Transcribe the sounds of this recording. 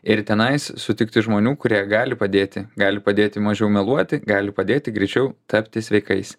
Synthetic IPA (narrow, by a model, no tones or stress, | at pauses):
ɪɾt̪ʲɛnɐɪssʊt̪ʲɪkt̪ʲɪʒmoːnʲuːkʊɾʲiɛɡɑːlʲɪpɐd̪ʲeːt̪ʲɪɡɑːlʲɪpɐd̪ʲeːt̪ʲɪmɐʒʲɛʊmʲɛlˠuɔt̪ʲɪɡɑːlʲɪpɐd̪ʲeːt̪ʲɪɡɾʲɛɪt͡ʃʲɛʊt̪ʰɐpʲt̪ʲɪsʲʋʲɛɪkɐɪs